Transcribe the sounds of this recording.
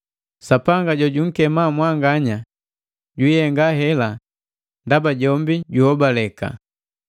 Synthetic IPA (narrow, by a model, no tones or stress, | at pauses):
sapaŋɡaɟɔɟuŋ̩kɛmamwaŋɡaɲa | ɟwuihɛŋɡaɦɛla | ndabaɟɔmbiɟuhɔbalɛka̰